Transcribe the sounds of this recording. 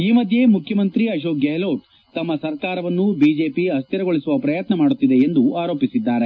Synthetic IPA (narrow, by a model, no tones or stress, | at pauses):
iːmɐd̪ʱje̞mukʰjɐmɐnt̪ɾiɐʃ̬oːkɡeːloːʈ̚ | t̪ɐmːɐsɐɾkaːɾɐʋɐnːubiːd͡ʒe̞ːpiɦɐst̪iɾɐɡoɭisuʋɐpɾɐjɐt̪nɐmaːɽut̪ːid̪e̞ːnd̪uaːɾo̞ːpisid̪ːaːɾe̞